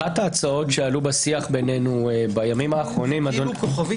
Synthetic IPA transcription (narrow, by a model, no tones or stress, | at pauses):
ataːt͡sao̞tʃealubasiaχbe̞nenubajamimaːχʁo̞nimadokov